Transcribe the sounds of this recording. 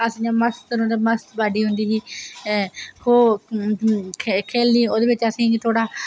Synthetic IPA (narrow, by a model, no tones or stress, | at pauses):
əsĩːãːməst̪əɾõnd̪aːməst̪baːɖiːɦʊnd̪iːɦiː | hoː | kʰkʰeːlnĩːoːd̪eːʋɪt͡ʃəsĩːt̪ʰoːɽaː